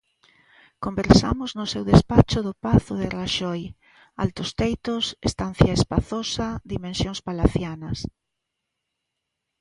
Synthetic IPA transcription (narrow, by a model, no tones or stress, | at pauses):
kombeɾsa̰mʊznʊsewðespat͡ʃʊðopaθʊðeraʃɔj | a̰lt̪ost̪ejt̪osest̪an̟θjɐespaθosɐðimẽnsjõŋspalaθjanɐs